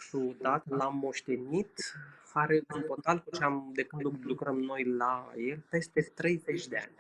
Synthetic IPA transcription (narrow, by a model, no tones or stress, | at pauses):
fɾud̪at̪lammːo̞ʃt̪e̞nit̪aɾeunt̪o̞t̪alkut͡ʃeamd̪e̞kɨnd̪lulukɾəmno̞jlaje̞lpe̞st̪e̞t̪ɾe̞jzet͡ʃʲd̪e̞a̰nʲ